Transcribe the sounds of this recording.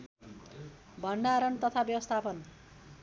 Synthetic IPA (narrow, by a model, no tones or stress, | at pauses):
bʱʌɳɖaɾʌnt̪ʌt̪ʰabjʌwʌst̪ʰapʌn